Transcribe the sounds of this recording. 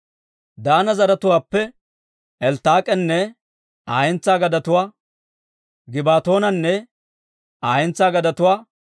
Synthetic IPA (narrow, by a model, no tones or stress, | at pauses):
d̪aːnɐzɐɾɐt̪ʊwaːpːɛ | ʔɛlt̪aːkʼɛnːɛ | aːjɛnt͡sːaːɡɐd̪ɐt̪ʊwaː | ɡɪbaːt̪o̞ːnɐnːɛ | aːjɛnt͡sːaːɡɐd̪ɐt̪ʊwaː